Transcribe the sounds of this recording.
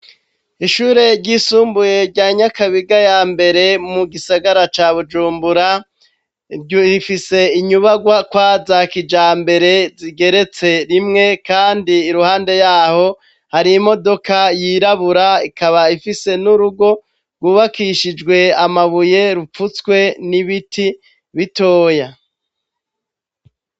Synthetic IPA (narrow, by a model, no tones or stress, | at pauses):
iʃuːɾe̞ɾɟiːsuːmbuje̞ɾɟaɲakaβiɡajaːmbe̞ɾe̞muɡisaɡaɾat͡ʃaːβud͡ʒuːmbuɾa | ɟifise̞iɲuβaɡwakwazakid͡ʒaːmbe̞ɾe̞ziɡe̞ɾe̞t͡se̞ɾimŋe̞kaːndiːɾuhaːnde̞jaːho̞ | haɾimo̞do̞kajiːɾaβuɾaikʰaβaifise̞nuɾuɡo̞ | ɡwuːβakiʃid͡ʒɡwe̞amaβuje̞ɾup͡fut͡skwe̞niβitʰi | βito̞ːja